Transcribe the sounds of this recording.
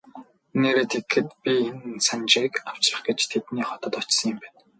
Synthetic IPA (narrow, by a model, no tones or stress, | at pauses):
neːɾeːt̪ʰekxɘ̆t̪̚pʲiensant͡ɕiːkaw̥t͡ɕrə̆χɡet͡ɕt̪ʰet̪niːχɔt̪ə̆t̪ɔt͡ɕsə̆ŋɪ̆mpæːn